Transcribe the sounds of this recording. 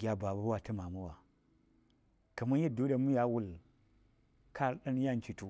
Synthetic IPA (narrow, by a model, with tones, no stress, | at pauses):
ɡʲa˦ba˨ba˦bwa˨tə˦ma˨ma˦wa˨ | ka˨ma˦n˦ji˦do˦da˨mu˦ja˦wu˦˨l | kʰa˦˨ɾɗə˦n˦ja˦˨n˦t͡ʃi˨tu˨